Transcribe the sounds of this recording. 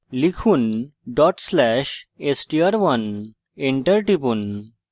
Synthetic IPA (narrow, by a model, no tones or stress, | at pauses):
likʰuːnɖɔʈslæɕesʈiaɾʋən | eɳʈəɾʈipuːn